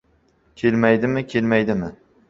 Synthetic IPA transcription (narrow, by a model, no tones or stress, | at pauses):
kʲʰelmajd̪ɪmɪkʲʰelmajd̪ɪmɪ